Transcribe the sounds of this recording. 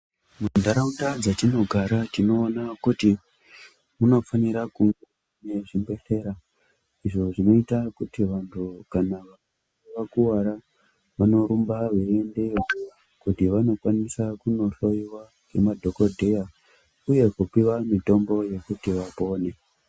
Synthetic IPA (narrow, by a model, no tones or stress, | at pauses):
mundaɾautad͡zatino̞ɡʱaɾatino̞ːnakuti | muno̞faniɾakuŋɡe | ne̞ʐimbe̞ɬe̞ːɾa | iʐo̞ʐino̞itakutiʋantʰukanaʋam | eʋakuwaɾa | ʋano̞ɾumbaʋeende̞o | kutiʋano̞kwanisakuno̞ɬo̞iwa | ɡe̞madʱo̞ko̞dʱeja | uje̞kupiwamito̞mbo̞je̞kutiʋapo̞ːne̞